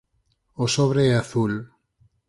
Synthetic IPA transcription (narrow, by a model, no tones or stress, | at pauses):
osoβ̞ɾeɛaθul